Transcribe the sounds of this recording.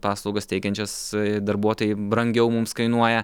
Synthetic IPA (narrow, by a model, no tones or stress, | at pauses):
pɑːslˠɒʊɡɐst̪ʲɛɪkʲɛnʲt͡ʃʲɛsd̪ɐɾbuɔt̪oːjɪbɾɐŋʲɡʲɛʊmʊmskɐɪnuɔjɛ